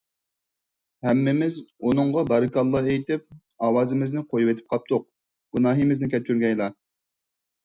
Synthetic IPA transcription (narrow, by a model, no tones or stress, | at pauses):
hɛmːɪmɪzunɨŋʁɑbɑɾɨkɑlˠːɑejt̪ɪp̚ | ɑːwɑːzɪmɪznɪqʰojuwɪt̪ʰɪ̥p̚qʰɑp̚t̪ʰʊq̚ | ɡ̥unɑːɦimɪznɪkʲʰɛt͡ʃʰyɾɡʲɛjlˠɑ